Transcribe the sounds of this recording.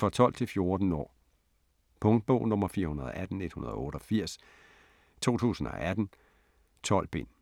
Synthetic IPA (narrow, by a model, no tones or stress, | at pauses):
fɑ̈t͡sʰɒ̽l̰d̥t͡sʰe̝lfjo̝ɐd̥n̩ɒ̰ː | pʰɔ̽ŋd̥̚b̥ɔʊ̰nɔ̽mɐfiːɐhunɐð̞ˠɒʔæd̥n̩e̝d̥hunɐð̞ˠɔ̽ːɾ̥ɒ̽fiɐ̰s | t͡sʰo̝̰ːt͡sʰṵːsn̩ɒ̽ʔæd̥n̩ | t͡sʰɒ̽l̰b̥e̝n̰